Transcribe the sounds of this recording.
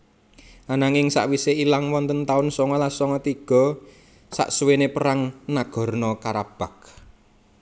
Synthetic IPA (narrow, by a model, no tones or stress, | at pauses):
anaŋɪŋsa̰ʔwiseilaŋwɔnt̪ənt̪aʊnsɔŋɔlasɔŋɔt̪iɡ̥ɔ̤ | sa̰ʔsuwenepəɾaŋnaɡ̥ɔ̤rnɔkaɾab̥a̤k